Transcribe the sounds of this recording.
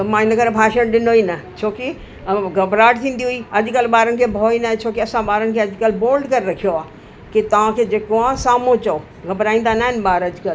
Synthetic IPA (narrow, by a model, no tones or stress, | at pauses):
mãːɪ̃nɐɡəɾbʱaːʃənɗɪnoiːnɐt͡ʃʰoːki | ɡʱɐbɾaːʈt̪ʰĩːnd̪iɦuiːɐʄkəlɓaːɾənɪ̆kʰeːbʱoːinaɦt͡ʃʰoːkiɐsãɓaːɾənɪ̆kʰeɐd͡ʒkəlboːlɖkɐɾɾɐkʰijoaː | kit̪ɐʋ̤ãkʰed͡ʑeːkoaːsaːmõt͡ɕɐo | ɡʱɐbɾaːĩnd̪anaːɦɪnɓaːɾɐd͡ʒkəl